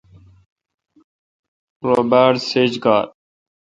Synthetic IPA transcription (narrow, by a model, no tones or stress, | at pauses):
ɾoːbaːɖseːd͡ʒɡaːɾ